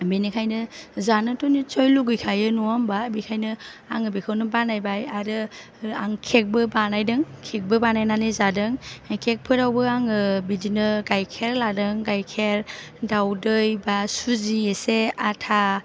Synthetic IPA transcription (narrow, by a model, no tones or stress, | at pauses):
binikʰajnɯzanɯtɔnit͡ʃojluɡɯjkʰajɯnuambabikʰajnɯaŋɯbikʰɯwnɯbanajbajaɾɯ | aŋkʰek̚bɯbanajdɯŋkʰek̚bɯbanajnanɯzadɯŋkʰek̚pʰɯɾawbɯaŋɯbidinɯɡajkʰeɾladɯŋɡajkʰeɾ | dawdɯjbasuzieseatʰa